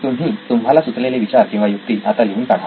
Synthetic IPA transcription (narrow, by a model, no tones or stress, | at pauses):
t̪um̤ɦiːt̪umɦalasut͡sleleʋit͡ɕaɾkĩw̃ʋajuk̚t̪iːʔat̪aleɦuːnkaɽ̤a